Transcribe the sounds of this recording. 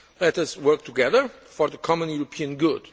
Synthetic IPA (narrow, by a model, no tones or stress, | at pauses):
lɛtʌswɜ˞k̚t̪ʰuɡɛðə˞ | fɔɹðəkʰɔmə̃njuɾɔpʰiɨ̃nɡʊd̥